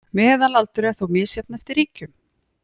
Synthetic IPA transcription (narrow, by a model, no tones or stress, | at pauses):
mɛːɛðanlalt̪ʏɾɪaθuwmɪːsjɛt̪nɛft̪ɪɾiːcʏm